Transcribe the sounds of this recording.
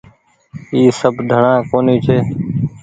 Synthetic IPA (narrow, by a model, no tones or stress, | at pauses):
iːsəbd̪ʱəɳãːkoːniːt͡ʃʰeː